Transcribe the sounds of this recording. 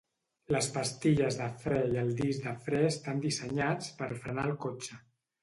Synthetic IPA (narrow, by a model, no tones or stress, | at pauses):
ləspəst̪iʎəzðəfɾɛiəlˠd̪izd̪əfɾɛst̪and̪isəɲat͡spəɾfɾənaəlˠkot͡ʃə